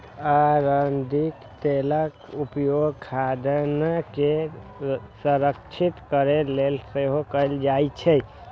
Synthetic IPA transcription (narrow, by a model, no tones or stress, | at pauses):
aɾənd̪ikt̪eləkupjoɡkʰad̪nake | səɾəkt͡ʃʰit̪kəɾelelseɦokəjld͡ʒajt͡ʃʰɛ